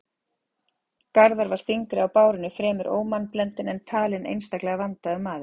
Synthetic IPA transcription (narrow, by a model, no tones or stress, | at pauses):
kaɾðaɾvaɾ̥θiŋkɾɪawpaːwɾɪnːʏfɾɛːmʏɾʔo̰ːwmanplɛnt̪ɪnɛnt̪ʰaːlɪnḛjnst̪aklɛɣavant̪aʏmːaːðɪ̥